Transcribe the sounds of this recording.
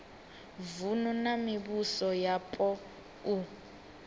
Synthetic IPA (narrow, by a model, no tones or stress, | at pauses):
vununamiβusɔjapʼɔ | u